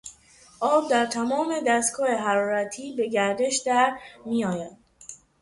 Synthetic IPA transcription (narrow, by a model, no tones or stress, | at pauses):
ʔɒːb̚d̪æɾt̪ʰæmɒːme̞d̪æst̪kʰɒːjeɦæɾɒːɾæt̪ʰiːbe̞ɟæɾd̪e̞ʃd̪æɾmiːjɒːjæd̪̥̚